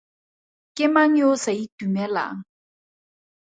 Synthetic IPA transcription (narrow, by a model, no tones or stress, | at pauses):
kɪmaɲosaitumɛla̰ŋ̩